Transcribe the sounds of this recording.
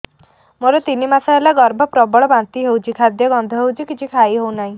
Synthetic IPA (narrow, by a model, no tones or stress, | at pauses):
moɾɔt̪inimasaɦelaɡɔɾbʱɔpɾɔbɔɭɔbant̪iɦewt͡ʃʰikʰad̪jɔɡɔnd̪ʱɔɦewt͡ʃʰikit͡ʃʰikʰaiɦewnaɦĩ